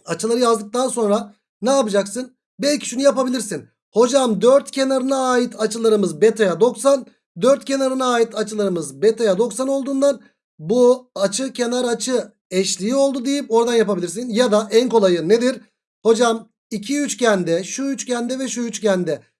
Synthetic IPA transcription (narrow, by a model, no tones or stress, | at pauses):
at͡ʃʰɯlˠaɾɯjazd̪ɯk̚t̪anso̞nɾa | nɛapɯd͡ʒaksɯn | bɛlʲci̥ʃunujapabilʲiɾsin | ho̞d͡ʒamd̪øɾt̪cʰe̞naɾɯnaːjit̪ʰat͡ʃʰɯlˠaɾɯmɯzbɛt̪ʰajad̪o̞ksan | d̪øɾt̪̚cʰʲe̞naɾɯnaːjit̪ʰat͡ʃʰɯlˠaɾɯmɯzbɛt̪ʰajad̪o̞ksano̞lˠd̪uːnd̪an | buat͡ʃʰɯcʰe̞naɾat͡ʃʰɯ | ɛʃlʲijio̞lˠd̪ud̪ejipo̞ɾd̪anjapabilʲiɾsinjad̪aʔɛnko̞lˠajɯne̞d̪iɾ | ho̞d͡ʒam | icʰiyt͡ʃcʰænd̪ɛʃuyt͡ʃcænd̪ɛvɛʃuyt͡ʃcʰænd̪ɛ